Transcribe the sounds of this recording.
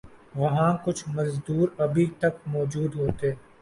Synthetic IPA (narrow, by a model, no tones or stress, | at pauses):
ʋɐɦãkʊt͡ʃʰmɐzd̪uːɾɐbʱit̪ɐk̚mɔːd͡ʒuːd̪ɦoːt̪e